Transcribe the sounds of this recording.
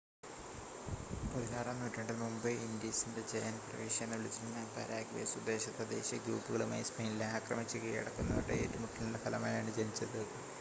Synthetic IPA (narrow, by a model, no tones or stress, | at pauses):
poliɣaːɾɐnːuːtːeɐɳɖɐlmumbɨindisinde̞d͡ʑejɐnprɐ̰ʋiːʂienːɐʋiɭit͡ɕːiɾunːɐpɐ̰ɾaːɡʋḛsud̪e̞ːɕɐt̪ːɐd̪e̞̰ːɕjɐɡɾuːpːɨɣɐɭuma̰ːjismɐjilːɐaːkrɐmit͡ɕːuɣɐɐ̰ɽɐkːunːɐʋɐʈːeeːtːumuʈːilindepʰɐlɐmaːjaːɳɨt͡ɕenit͡ɕːɐðɨ